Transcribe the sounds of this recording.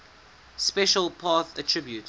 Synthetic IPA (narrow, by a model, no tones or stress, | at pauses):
spɛʃəlˠpʰɑθətʰɹ̥ɪbjut